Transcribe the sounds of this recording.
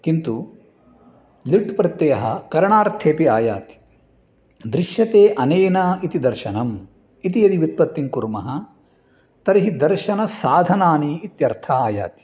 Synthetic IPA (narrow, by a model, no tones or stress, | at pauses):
kint̪u | liʈpɾɐt̪ːjɐjɐɦɐ̰kɐɾɐɳaːɾt̪ʰeːpiaːja̰ːt̪i̥ | d̪ɾiʃjɐt̪eːʔɐneːnɐit̪id̪ɐɾʃɐnɐm | it̪ijɐd̪iʋit̪̚pɐt̪ːiŋkuɾmɐɦɐ | t̪ɐɾiɦid̪ɐɾʃɐnɐsaːd̪ʱɐnaːniːt̪jɐɾt̪ʰɐːaːja̰ːt̪i̥